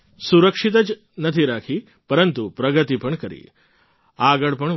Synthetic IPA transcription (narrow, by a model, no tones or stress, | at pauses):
suɾəkʂit̪̬əd͡ʒ | nət̪ʰiɾakʰi | pəɾənt̪upɾəɡət̪ipəɳkəɾḭ | aɡəɭpəɳ